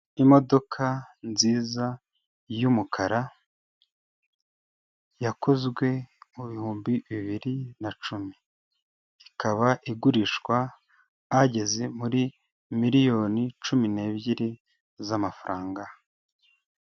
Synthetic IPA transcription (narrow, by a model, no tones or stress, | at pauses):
imo̞do̞kʰanziːza | jumukʰaɾa | jako̞zɡwe̞muβihuːmbiβiβiɾinat͡ʃumi | ikaβaʔiɡuɾiʃwaː | ɟe̞ze̞muɾi | miɾijo̞ːnit͡ʃumine̞ːβɟiɾe | zamafaɾʔaːŋɡa